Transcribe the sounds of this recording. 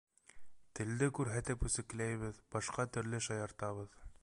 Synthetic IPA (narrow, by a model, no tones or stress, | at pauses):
t̪ɘ̆ld̪ɘkʉɾɦæt̪ɘpʉsɘ̆klæjβɘðbɑʃqɑt̪ɵ̆ɾlɘʃɑjɑɾt̪ɑβɤð